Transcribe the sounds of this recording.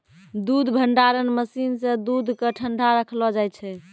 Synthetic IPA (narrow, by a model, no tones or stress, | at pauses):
d̪ud̪ʱbʱəɳɖaɾənməsinsẽd̪ud̪ʱkəʈʰəɳɖʱaɾəkʰlɔd͡ʒajt͡ʃʰɛ